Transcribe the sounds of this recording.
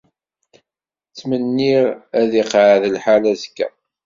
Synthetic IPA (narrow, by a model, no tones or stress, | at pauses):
t͡sːmənːiʁæðiqʕaðəlħalæskːæ̰